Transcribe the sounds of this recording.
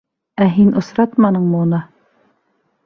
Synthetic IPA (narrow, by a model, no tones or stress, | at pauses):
æɦinʔŏsɾɑt̪mɑnɤɴmɤunɤ